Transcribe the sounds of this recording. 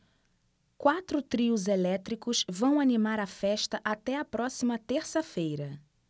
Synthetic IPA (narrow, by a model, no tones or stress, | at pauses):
kwat̪ɾʊt̪ɾiʊzelɛt̪ɾikʊzvɐ̃w̃animaɾɐfɛʃt̪ɐʔat̪ɛɐpɾɔsimɐt̪eɾsɐfejɾɐ